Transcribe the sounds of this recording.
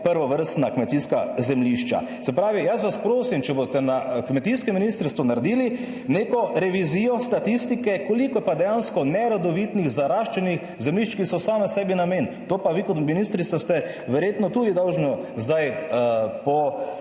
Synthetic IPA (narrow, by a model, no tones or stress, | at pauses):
pəɾʋɔʋəɾst̪nakmɛt̪iskazɛmliʃt͡ʃa̰ | sɛpɾaːʋijasʋaspɾoːsimt͡ʃɛbot̪ɛnakmɛt̪iskɛminist̪əɾst̪ʋɔnaɾd̪iːli | neːkɔɾɛʋiziːjɔst̪at̪ist̪ikɛkolikɔpad̪ɛjanskɔnɛɾod̪ɔʋit̪niɣzaɾaʃt͡ʃɛnix | zɛmliʃt͡ʃkisɔsaːmɛsɛːbinameːnt̪oːpaʋikɔt̪minist̪ɾit̪ast̪ɛ | ʋɛɾjeːt̪nɔt̪uːd̪id̪ɔwʒnɔzd̪aj | pɔ